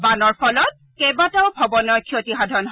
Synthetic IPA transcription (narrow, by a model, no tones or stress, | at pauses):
banɔɹpʰɔlɔt̚kebataʊbʱɔbɔnɔkʰiotiɦadʱɔnɦ